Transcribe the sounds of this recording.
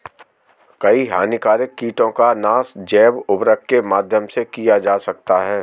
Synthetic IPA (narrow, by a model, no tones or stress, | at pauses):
kɐiɦa̰ːnikaːɾɪkːiːʈõkanaːsd͡ʒɛːbʊbɾəkːemaːd̪ʱjəmsekijad͡ʒaːsɐk̚t̪aɦɛː